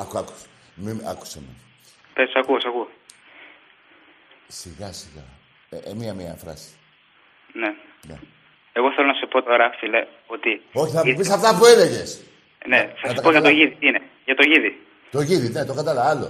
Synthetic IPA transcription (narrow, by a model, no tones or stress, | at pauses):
kɐku̥s | mimɐ̰ku̥seme | pesɐkuosɐku | siɣɐsiɣɐ̰ | miɐmiɐ̰fɾɐ̰si̥ | ne | nḛ | eɣo̞θelo̞nɐsepo̞t̪o̞ɾɐfile | o̞t̪io̞çiθɐmupissɐft̪ɐpuele̞ʝe̞s | nesɐsɐt̪ɐkpoʝɐt̪oʝiðit̪iine | ʝɐt̪o̞ʝiði | t̪oʝiðine̞t̪o̞kɐt̪ɐlɐvɐɐlo̞̰